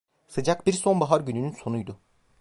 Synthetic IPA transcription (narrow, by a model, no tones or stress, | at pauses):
sɯd͡ʒakbiɾso̞nbaɦaɾɟynynynso̞nujd̪ʊ